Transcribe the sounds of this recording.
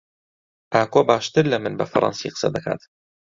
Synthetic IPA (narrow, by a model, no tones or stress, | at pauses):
ʔaːkoːbaːʃt̪ɨɾlɐmɨnbɐfɐɾʔɑ̰nsḭːqə̥sɐ̰d̪ɐkʰa̰ːt̪